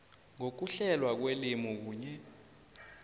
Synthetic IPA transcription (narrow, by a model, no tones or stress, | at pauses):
ŋok̬uɬɛlwak̬welimɔk̬uːɲɛ